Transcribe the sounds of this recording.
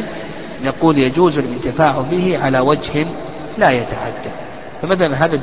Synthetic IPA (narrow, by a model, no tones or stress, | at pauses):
naquːljad͡ʒuːzalʔɪnt̪ɪfaːʕbɪhɪʕalawad͡ʒh | lajat̪aʕa̰d̪ːa | famaθalanɦaːða